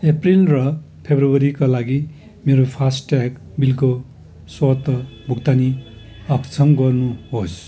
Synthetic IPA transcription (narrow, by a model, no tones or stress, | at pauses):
eprilrʌ | pʰebrowʌɾikalaɡi | meɾopʰasʈʈak | bilko | swʌt̪ʌbʱukt̪ani | ʌkt͡sʰʌmɡʌrnuɦos